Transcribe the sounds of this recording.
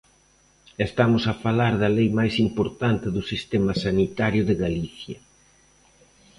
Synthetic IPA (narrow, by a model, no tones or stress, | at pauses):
est̪amʊsɐfalaɾðɐlejmajsimpoɾt̪ant̪ɪðʊsist̪ɛmɐsanit̪aɾjʊðɪɣaliθjɐ